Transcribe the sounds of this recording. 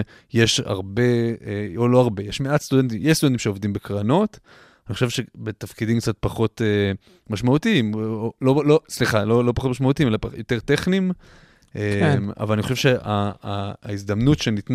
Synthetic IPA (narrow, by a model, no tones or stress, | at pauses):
jeʃa̰ʁbe̞olo̞aʁbe̞jeʃmeatst̪udent̪̬imjeʃstudent̪̬imʃeovd̪imbekʁano̞t̪ | aniχoʃevʃebet̪afkid̪imkt͡sat̪̚paχo̞t̪e | maʃmaut̪iimololosliχalolopaχo̞t̪maʃmautiimelapajot̪eʁt̪eχnim | ʔema̰valaniχo̞ʃevʃea | izd̪amnutʃenit̪n